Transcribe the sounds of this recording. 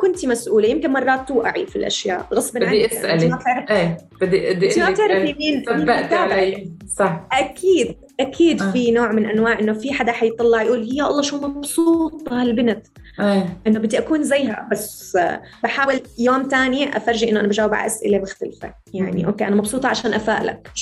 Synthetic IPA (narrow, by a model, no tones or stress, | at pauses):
kʊnt̪imasʔuːlajɪmkɪnmɑrˤːɑːt̪ːuːʔaʕifilʔa̰ʃja̰ːʔɣɑsˤːbɪnʕaiʔɪsʔaliat̪ɪɾeː | bɪd̪ːiʔɪd̪ːiʔat̪ɪʕɾaflimiːniːaʔt̪aːlasˤɑħʔakʰiːd̪̚ | ʔakʰiːd̪finoːʕmɪnʔanwaːʕʔɪnːofiħad̪aħajt̪ˤɑlːɑʕjʔuːljaʔɑlˤːɑːʃuːmɑbsˤuːt̪ˤɑhalbɪnat̪ | eʔɪnːobɪd̪ːiʔakuːnzajɦa̰bas | baħaːwɪljoːmt̪aːnjeʔa̰fɑɾˤʒɪʔɪnːoʔanabaʒaːwɪbʕa̰ʔasʔɪ̰lebɪxt̪alfḛ | jaʕnḭʔo̰ːkːeːʔanamɑbsˤuːt̪ˤɑʕaʃaːnʔafaːʔla̰k̚